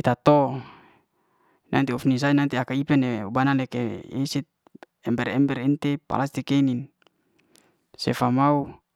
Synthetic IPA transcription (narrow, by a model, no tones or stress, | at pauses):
it̪at̪o | nʔa̰nt̪iɔfnis̬ainant̪iakaipɛneubanalekeesit̪̚ | ɛmbɛɾɛmbɛɾint̪epa̰last̪ikenin | sḛfamau